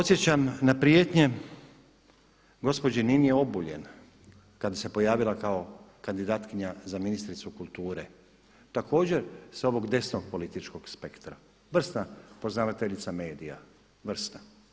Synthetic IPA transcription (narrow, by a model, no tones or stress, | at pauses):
pot̪sje̞t͡ɕamnapɾijeːt̪ɲe̞ | ɡo̞spo̞d͡ʑininijeo̞buʎe̞̰n | kad̪ase̞po̞jaːʋilakao̞ | kand̪id̪aːt̪kiɲazaminist̪ɾit̪sukulˠt̪uːɾe̞ | t̪ako̞ːd͡ʑe̞ɾso̞ʋo̞ɡd̪e̞snoɡpo̞lit̪it͡ʃko̞ɡspe̞kt̪ɾa | ʋr̩snapo̞znaʋat̪eʎit̪same̞ːd̪ija̰ | ʋr̩sna